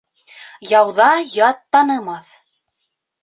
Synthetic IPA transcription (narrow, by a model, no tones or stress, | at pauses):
jɑwðɑjɑt̪ːɑnɤ̆mɑθ